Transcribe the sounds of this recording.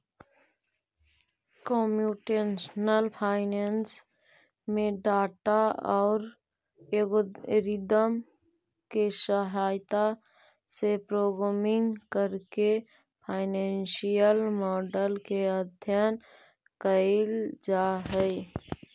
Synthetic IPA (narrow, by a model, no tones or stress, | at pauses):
kɔmjuʈensnəlpʰaːɪnens | mẽɖaːʈaɔːɾ | eɡoɾid̪əm | kesəɦaːjt̪a | sepɾoːɡɾamɪŋɡkəɾke | pʰaːɪnenʃijəlmɔːɖəlkeəd̪ʱjən | kəɪld͡ʒaɦəɪ